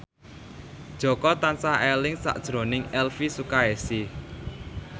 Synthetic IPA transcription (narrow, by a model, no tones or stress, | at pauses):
d̥ʒ̥ɔ̤kɔt̪ansahɛlɪŋsa̰ʔd̥ʒ̥ɾo̤nɪŋɛlfisukaesi